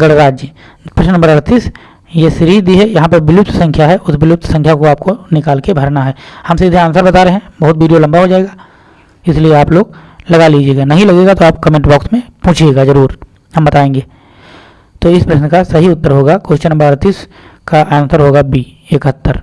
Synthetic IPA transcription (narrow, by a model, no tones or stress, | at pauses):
ɡɐɽɾaːd͡ʒd͡ʒi | pɾɐʃnnɐ̃mbəɾɐɽt̪iːs | jesɪɾiːd̪iɦɛjɐɦãpɐɾbɪlɪp̚t̪sɐ̃ŋkʰjaɦɛʔʊsbɪlʊp̚t̪sɐ̃ŋkʰjakoaːp̚konɪkaːlkebʱɐɾnaɦɛːhɐmsid̪ʱeaːnsəɾbɐt̪aːɾeɦɛ̃bɐɦʊt̪ʋiːɖijolɐ̃mbaɦod͡ʒaːeːɡaː | ɪslieaːploːɡlɐɡaliːd͡ʒieːɡanɐɦĩlɐɡeːɡat̪oaːpkɐmẽːɳʈbɔːksmẽpũːt͡ʃʰeːɡazɐɾuːɾ | hɐmbɐt̪aːẽːŋɡeː | t̪oːɪspɾɐʃnd̪kasɐɦiʊt̪ːəɾɦoːɡakoːʃt͡ʃənɐ̃mbəɾɐɽt̪iːs | kaʔaːə̃nt̪əɾɦoːɡabʱi | eːkɦət̪ːəɾ